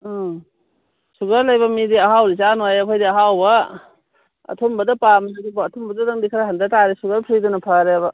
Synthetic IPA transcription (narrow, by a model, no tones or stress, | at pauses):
suɡaɾlɐjbɐmidiɐɦawɾit͡ʃanojɐkʰojdiɐɦawbɐ | ɐ̰tʰumbɐdɐpamlaɡibɐːtʰumbɐdadaŋdikʰɾaɦandataɾisuɡaɾpʰɾidunɐpʰaɾebɐ